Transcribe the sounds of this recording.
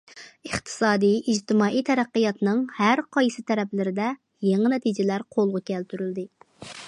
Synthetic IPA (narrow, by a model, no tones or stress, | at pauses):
əχt̪ʰɨ̥sɑːd̪ijʔid͡ʒt̪ɪmɑːijt̪ʰɛɾæqːɨjɑt̪nɨŋhæɾqʰɑjsɨt̪ʰɛɾɛplɪɾɪd̪ɛ | jeŋɨnɛt̪ʰid͡ʒɪlæɾqʰolˠʁʊkʲʰɛlt̪ʰyɾyld̪ɪ